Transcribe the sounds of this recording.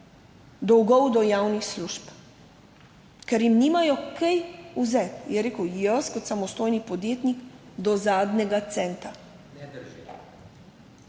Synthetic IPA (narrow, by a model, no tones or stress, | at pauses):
d̪ɔwɡɔwd̪ɔjawnixsluʃp | kɛɾjimniːmajɔkɛjuzɛt̪jɛɾeːkəwjəskɔt̪samɔst̪oːjnipɔd̪jeːt̪nikd̪ɔzaːd̪nɛɡat̪sɛnt̪a